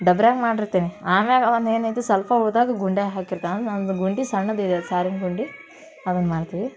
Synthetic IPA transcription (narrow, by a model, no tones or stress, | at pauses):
ɖɐbɾjaːɡmaːɖiɾt̪eːniaːmeɡɐdɐneːnɐjt̪usɐlpauːd̪aːɡɐɡuɳɖaːɦaːkiɾt̪anɐnd̪ɡuɳɖisɐɳːɐd̪id̪esaːɾinɡuɳɖi | ɐd̪ɐnːmaːɽt̪iʋi